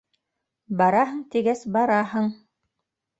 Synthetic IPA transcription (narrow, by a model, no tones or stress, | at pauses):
bɑɾɑɦɤɴt̪iɡæsbɑɾɑɦɤɴ